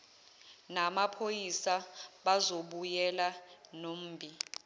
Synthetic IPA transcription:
namapʰojisaɓazoɓujɛlanom̩ːbʱi

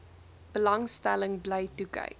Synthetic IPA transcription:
b̥əlɐŋstæləŋbləjtukə̰j

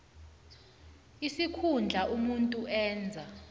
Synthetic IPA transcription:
isikʰund͡ɮʱaʔumuntʼuʔɛːnd͡zʱa

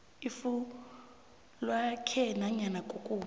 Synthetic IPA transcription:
ifu | lwakʰɛnaɲanakʼokʼuː

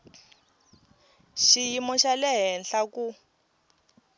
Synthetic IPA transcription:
ʃijimɔʃalɛɦɛnɬaku

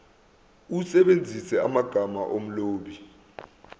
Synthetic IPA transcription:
usɛɓend͡zʱisɛamaɡ̥ʱamaʔom̩loːɓi

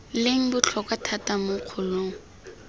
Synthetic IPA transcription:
lɪŋ̩bʊt͡ɬʰɔkwatʰatamʊq͡χʰʊloːŋ̩

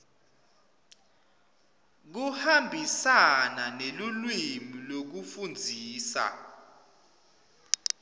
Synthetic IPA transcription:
k̬uhambʱisananelulwimilok̬ufund͡zʱiːsa̰

